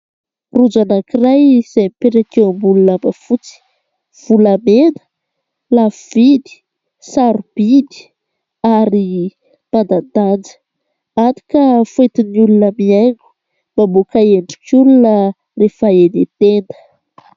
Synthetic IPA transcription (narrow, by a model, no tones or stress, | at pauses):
rud͡zanakirajz̥amipeɾakeambulunambəfut͡si̥ | v̥ulamenə̥ | lavid̪i̥ | saɾub̥id̪i̥ | aɾi | b̥ad̪ad̪and͡zə̥ | at̪i̥kəfuet̪inulunəmieŋɡu̥ | babokaeɳɖ͡ʐikulunə | refaenet̪end̪ə̥